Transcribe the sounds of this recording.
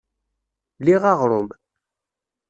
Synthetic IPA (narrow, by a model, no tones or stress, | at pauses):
liʁɑʁɾˤʊm